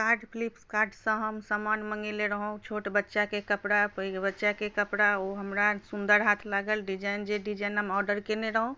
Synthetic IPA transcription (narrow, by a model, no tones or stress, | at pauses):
kaɾɖpʰlipskaɾɖsə̃ɦəmsamanməŋɡeleɾəɦũt͡ʃʰoʈbətːʃakekəpɽapəbətːʃakekəpɽaoɦəmɾasund̪əɾɦat̪ʰlaɡəlɖid͡ʒajnd͡ʒeɖid͡ʒajnɦəmɔɾɖəɾkeneɾəɦõ